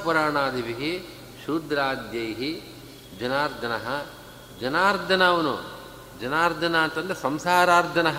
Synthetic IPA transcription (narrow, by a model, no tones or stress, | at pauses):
puɾaːɳaːd̪ʱiʋiɦi | ʃuːd̪ɾaːd̪jɐjɦi | d͡ʒɐnaːɾd̪ʱɐnɐɦɐ | d͡ʒɐnaːɾd̪ʱɐnɐʋɐnṵ | d͡ʒɐnaːɾd̪ʱɐnaːnt̪ɐnd̪ɾesɐmsaːɾaːɾd̪ʱɐnɐɦ